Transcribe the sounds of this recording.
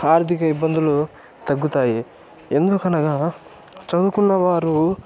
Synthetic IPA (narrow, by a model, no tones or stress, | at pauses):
aːɾt̪ʰikɐibːɐnd̪ulu | t̪ɐɡːut̪aːji | end̪okɐnɐɡɐ | t͡ʃɐd̪ukunːɐʋaːɾu